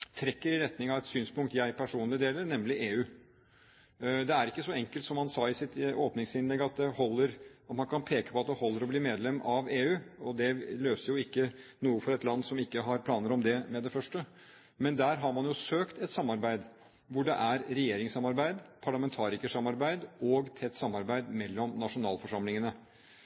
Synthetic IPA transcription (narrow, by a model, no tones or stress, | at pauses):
t̪ʰɾɛkːəɾɪɾɛt̪nɪŋɑʋɛt̪syːnspʊŋkt̪jæɪpʰæʂuːnlɪd̪eːləɾnɛmlɪʔeːʉː | d̪ɛæɾɪkːəsɔɛŋkəlt̪sɔmhɑnsɑːɪsɪt̪oːpnɪŋsɪnlɛɡɑt̪̚d̪ɛhɔlːəɾɑt̪mɑnkʰɑnpʰeːkə̥pɔɑt̪̚d̪ɛhɔlːəɾɔbliːmeːd̪lɛmːɑʋeːʉːɔd̪ɛløːsəɾjʊɪkːənuːəfɔɾɛt̪lɑnːsɔmɪkːəɦɑɾpʰlɑːnəɾɔmd̪ɛmɛd̪ɛfœʂʈə | mɛnd̪æːɾɦɑɾmɑnjʊsøːkt̪ɛt̪sɑmːɑɾbæɪd̪ | ʋʊɖɛ̰ʔæɾɾɛjeːɾɪŋsɑmɑɾbæɪd̪pʰɑɭɑmɛnt̪ʰɑːɾɪkəʂɑmɑɾbæɪd̪ɔɡt̪ʰɛt̪ːsɑmːɑɾbæɪd̪mɛlːɔmnɑʂʊnɑ̰ːlfɔʂɑmlɪŋənə